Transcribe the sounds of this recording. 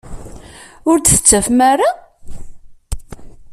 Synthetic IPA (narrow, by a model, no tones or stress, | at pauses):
ʊɾd̪θə̥t͡sːæfmæɾa